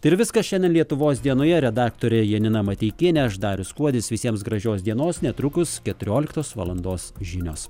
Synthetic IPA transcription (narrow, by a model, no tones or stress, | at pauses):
t̪ɐɪɾʋʲɪskɐsʃʲɛnʲdʲɛnlʲiɛt̪ʊʋoːsd̪ʲiɛnoːjɛɾʲɛd̪ɑːkt̪oːɾʲɛjiɛnʲɪnɐmɐt̪ʲiːkʲeːnʲɛɐʃd̪ɑːɾʲʊskuɔd̪ʲɪsʋʲɪsʲiɛmsɡɾɐʒʲoːsd̪ʲiɛnoːsnʲɛt̪ɾʊkʊskʲɛt̪ʊɾʲoːlʲɪkt̪oːsʋɐ̰lˠɐnd̪oːsʒʲɪnʲoːs